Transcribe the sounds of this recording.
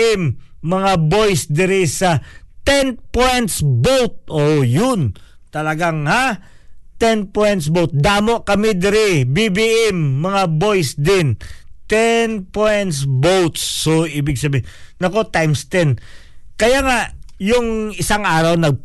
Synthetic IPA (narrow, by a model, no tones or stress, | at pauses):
ɪmːɐŋabo̞jsd̪ɪɾɪsɐt̪ɛnpojnt̪sbowt̪̚ʔojʊn | t̪ɐlɐɡaŋha | t̪ɛnpojnt̪sbowt̪̚d̪aːmoʔkɐmɪd̪ɪɾɪbibiʔɛmːɐŋabo̞jsd̪ɪnt̪ɛnpojnt̪sbowt̪sːoʔiːbɪɡsɐbiɪnɐko̞t̪ajmst̪ɛnkɐjaŋaʔjʊŋɪsaŋʔaːɾɐwnɐɡ̚